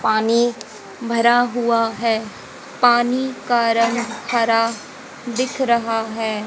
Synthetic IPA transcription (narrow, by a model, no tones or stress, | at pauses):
paːni | bʱɐɾaɦʊaɦɛː | paːnikaːɾənkʰaːɾa | d̪ɪkʰɾɐɦaɦɛː